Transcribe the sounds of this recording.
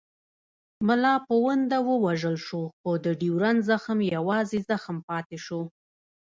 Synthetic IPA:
mʊlɑpəwənd̪awəwaʒəlʃoxod̪əɖiwɾanzaxəmjawɑzezaxəmpɑt̪eʃo

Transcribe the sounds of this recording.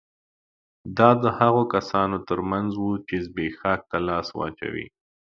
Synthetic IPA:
d̪ɑd̪əhaɣokasɑnot̪əɾmanzwut͡ʃezbexɑk̚t̪alɑswɑ̰t͡ʃa̰wḭ

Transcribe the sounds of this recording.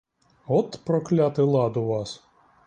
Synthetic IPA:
ɔt̪pɾɔklʲæt̪ɨlˠɑd̪ʊʋɑs

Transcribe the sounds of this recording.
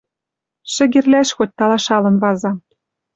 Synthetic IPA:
ʃɘ̆ɣʲĕrlæʃxot̚ʲt̪ɑlɑʃɑlɤ̆nβɑzɑ

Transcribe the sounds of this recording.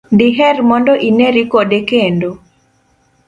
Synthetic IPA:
diɦɛrmɔndɔʔineɾikodekendo

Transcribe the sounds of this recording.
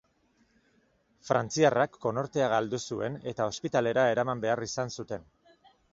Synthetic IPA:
fɾa̰nt͡siarakːo̞no̞ɾt̪e̞aɣald̪usue̞ne̞t̪ao̞spit̪ale̞ɾae̞ɾamambe̞arisansut̪e̞n

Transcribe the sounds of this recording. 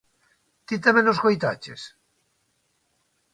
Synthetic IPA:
t̪it̪emenoskojt̪at͡ʃḛs

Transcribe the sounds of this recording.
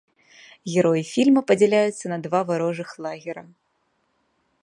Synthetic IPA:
ɣʲɛɾɔjifʲilʲmɐpɐd͡zʲɛlʲajut̪sːɐnɐd̪vavaɾɔʐɨxlˠaɣʲɛɾɐ

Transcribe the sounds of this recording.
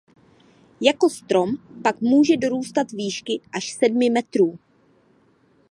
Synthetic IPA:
jako̞st̪ɾo̞mpakmuːʒɛdo̞ɾuːst̪at̪viːʃkɪʔaʃsɛdmɪmɛt̪ɾuː

